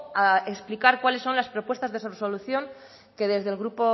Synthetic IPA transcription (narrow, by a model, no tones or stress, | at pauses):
aeksplikaɾkwale̞sːo̞nlaspɾo̞pwest̪azðesareso̞luθjoŋ | ke̞ðe̞zðe̞lɣɾupo̞